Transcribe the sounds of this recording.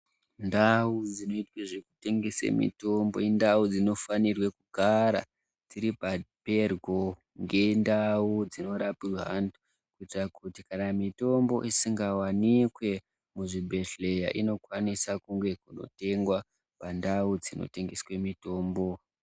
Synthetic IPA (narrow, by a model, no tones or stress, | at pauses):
ndaud͡zino̞itweʐeku̥te̞ŋɡesḛmḭto̞mbo̞̰indaud͡zino̞fanirwekuɡʱaɾa̰ | d͡ziɾipape̞rɡʱo̞ | ŋɡe̞ndaud͡zino̞ɾapirɦandu | kuitrakutikanamito̞mbo̞̰ʔisiŋɡawanikwe̞ | muʐibʱe̞ɬejaʔino̞kwanisakuŋɡe̞kuno̞̰te̞ŋɡwa | pandaud͡zino̞̰te̞ŋɡeswemito̞ːmbo̞